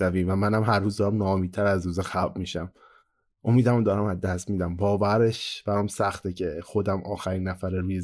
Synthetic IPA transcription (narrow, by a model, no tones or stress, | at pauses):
æviːmvæmænæmɦæɾːuːzd̪ɒːɾæmnɒːmid̪t̪̚t̪ʰæɾæzɾuːzexæbmiːʃæm | ʔomiːd̪æmod̪ɒːɾæmæzd̪æst̪miːd̪æmbɒːvæɾeʃb̥æɾɒːmsæxt̪ʰecʰexo̞d̪æmʔɒːxæɾiːnːæfæɾeɾuːje